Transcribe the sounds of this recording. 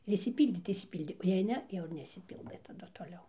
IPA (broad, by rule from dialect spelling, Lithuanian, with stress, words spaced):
ɪr ɪʃʲsʲɪˈpʲiːlʲdʲeː tɐɪ ɪʃʲsʲɪˈpʲiːlʲdʲeː oː jɛɪ ˈnʲɛ ˈjɛʊ ɪr nʲɛɪʃʲsʲɪˈpʲiːlˠdɘ tɐˈdʊ toːˈlʲɛʊ